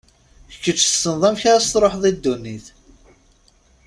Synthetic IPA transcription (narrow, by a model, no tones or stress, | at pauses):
əkːət͡ʃːθə̥sənðˤæmçaɾast̪ɾˤoħðˤid̪ːunːiθ